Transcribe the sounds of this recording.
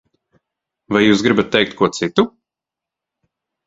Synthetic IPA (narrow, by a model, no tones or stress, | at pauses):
vajjuːsɡɾibat̪̚ːɛjk̚t̪̚kuɔt̪sit̪u